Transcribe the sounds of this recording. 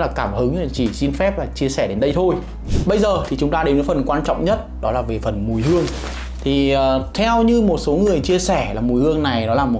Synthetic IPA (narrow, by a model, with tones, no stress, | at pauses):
laː˨˩kaː˧˩mhɨ˨˦ŋ˧˨˩t͡ɕi˧˩si˧nfɛ˦˥p̚laː˨˩t͡ɕi˧əsɛ˧˩ɗe˨˦nɗə˧jt̪ʰo˧j | ɓə˧jzəː˨˩t̪ʰi˨˩t͡ɕʊ˨˦ŋ͡mt̪aː˧ɗe˨˦nə˨˦fə˨˩nkwaː˧nt͡ɕɔ̰˧˨wŋ͡mɲə˦˥t̚ɗɔ˨˦laː˨˩ve˨˩fə˨˩nmu˨˧˩jhɨ˧əŋ | t̪ʰiː˨˩˨t̪ʰɛ˧wɲɨ˧mo˨˩t̚so˨˦ŋɨ˨˩əjt͡ɕi˧əsɛ˧˩laː˨˩mu˨˩jhɨ˧əŋna˨˩jɗɔ˨˦laː˨˩mo˨˩